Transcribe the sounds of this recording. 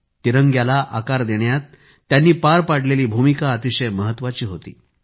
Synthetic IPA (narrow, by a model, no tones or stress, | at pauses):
t̪iɾəŋɡjalaʔa̰kaɾd̪eɽjat̪ː | janːiːpaɾpaɽ̤leliːbʱumikaːt̪iɕəjməɦət̪ːʋat͡ɕiːɦot̪ḭː